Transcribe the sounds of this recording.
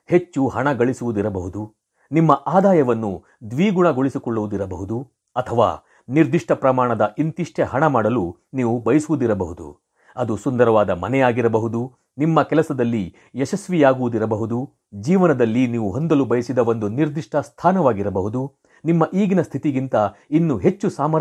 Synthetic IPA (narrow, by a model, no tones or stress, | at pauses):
het͡ʃːuhɐɳɐɡɐɭisuʋud̪iɾɐbɐɦud̪u | nimːɐʔaːd̪aːjɐʋɐnːu | d̪ʋiːɡuɳɐɡoɭisikɔɭːuʋud̪iɾɐbɐɦud̪u | ɐt̪ʰɐʋa̰ː | niɾd̪iʂʈʰɐpɾɐmaːɳɐd̪ɐʔint̪iʂʈʰeɦɐɳɐmaːɽɐlu | niːʋubɐjɐsuʋud̪iɾɐbɐɦud̪ṵ | ɐd̪usund̪ɐɾɐʋaːd̪ɐmɐ̰nɛjaːɡiɾɐbɐɦud̪u | nimːɐkɛlɐsɐd̪ɐlːi | jɛʃɐsʋijaːɡuʋud̪iɾɐbɐɦud̪u | d͡ʒiːʋɐnɐd̪ɐlːiniːʋuɦond̪ɐlubɐjɐsid̪ɐʋo̞nd̪uniɾd̪iʂʈʰɐst̪ʰaːnɐʋaːɡiɾɐbɐɦud̪u | nimːɐʔiːɡinɐst̪ʰit̪iɡint̪ɐinːuɦe̞t͡ʃːusaːmɐɾ